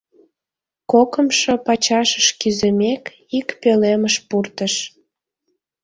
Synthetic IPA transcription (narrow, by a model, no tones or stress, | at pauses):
kokəmʃopɑt͡ɕɑʃəʃkyzemek | ikpeleməʃpurt̪əʃ